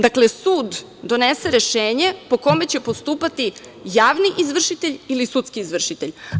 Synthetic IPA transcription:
d̪akle̞suːd̪ | d̪o̞nese̞ɾe̞ʃeːɲe̞po̞ko̞me̞t͡ɕe̞po̞st̪uːpat̪i | jaːʋniʔizʋr̩ʃit̪eʎilisut̪skiːzʋr̩ʃit̪eʎ

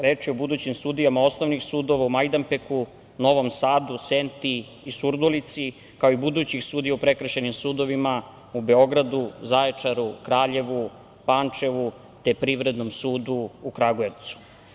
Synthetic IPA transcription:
ɾeːt͡ʂiobud̪uːt͡ɕimsud̪ijamao̞sno̞ʋnixsuːd̪o̞ʋaumajd̪ampeku | no̞ʋo̞msaːd̪usent̪iː | suɾd̪olit̪si | kaoibud̪uːt͡ɕixsuːd̪ijaupɾe̞kr̩ʃenimsuːd̪o̞ʋima | ube̞o̞ɡɾad̪uzaet͡ʂaɾukɾaːʎe̞ʋu | pant͡ʂe̞ʋu | t̪epɾiʋɾe̞d̪no̞msuːd̪uːkɾaɡoeʋt̪su̥

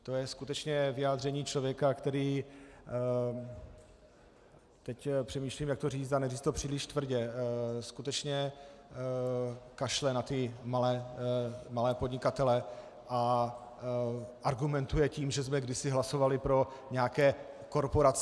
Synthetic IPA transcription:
t̪ojɛskut̪ɛt͡ʃɲɛvɪjaːd̪r̝ɛɲiːt͡ʃlovjɛkakt̪ɛɾiː | t̪ɛcpr̥ɛmiːʃlimjakt̪oriːt͡st̪anɛɾiːt͡st̪opr̥iːlɪʃt̪vr̩ɟɛskut̪ɛt͡ʃɲɛ | kaʃlɛnat̪ɪmalɛː | malɛːpo̞dɲɪkat̪ɛlɛ | ʔa | ʔaɾɡumɛnt̪ujɛciːmʒɛzmɛɡdɪsɪɦlaso̞valɪpɾo̞ | ɲɛakɛː | ko̞ɾpoɾat͡s

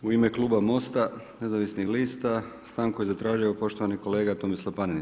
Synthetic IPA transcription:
uime̞klˠuːbamo̞st̪a | ne̞zaʋisnixliːst̪a | st̪aːnko̞jezat̪ɾaːʒiopo̞ʃt̪oʋaniko̞le̞ːɡat̪omislˠapanini

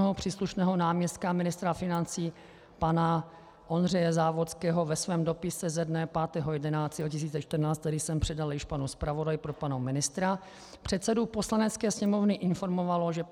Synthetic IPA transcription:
ɦopr̝̥iːsluʃnɛːɦo̞naːmɲɛst̪̚kamɪnɪst̪ɾafɪnant͡siː | pana | ʔo̞nr̝ɛjɛzaːvo̞t͡skɛːɦo̞vɛsvɛːmdo̞pɪsɛzɛdnɛpaːt̪ɛɦojɛdɛnaːt̪ɛocɪs̬iːt͡sɛt͡ʃt̪r̩naːt͡st̪ːɛɾɪsɛmpr̝̥ɛdaljɪʃpanuspɾavo̞dajpɾopanomɪnɪst̪ɾa | pr̝̥ɛt̪sɛdupo̞slanɛt͡skɛːsɲɛmo̞vnɪʔɪnfo̞ɾmo̞valo̞ʒɛ

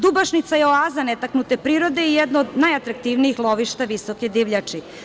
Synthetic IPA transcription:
d̪ubaʃnit̪sajeoazanɛt̪aknut̪e̞pɾiːɾo̞d̪eijɛd̪nood̪najat̪ɾak̚t̪iʋnijixlˠoʋiʃt̪aʋisoked̪iʋʎat͡ʂi

